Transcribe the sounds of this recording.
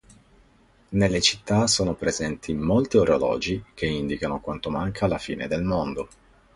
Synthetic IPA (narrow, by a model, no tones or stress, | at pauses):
nelːet͡ʃi̥t̪ːasoːnopɾezɛnt̪ʰimolt̪ioɾolɔ̰ːd͡ʒik̟eind̪ikanokwant̪omaŋkʰalafḭːnḛd̪elmond̪o